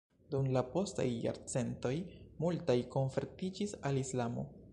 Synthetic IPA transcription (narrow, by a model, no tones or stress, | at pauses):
dumlapo̞sta̰jːa̰ɾt͡se̞nto̞jmultajko̞nfeɾtid͡ʒisalislamo̞̰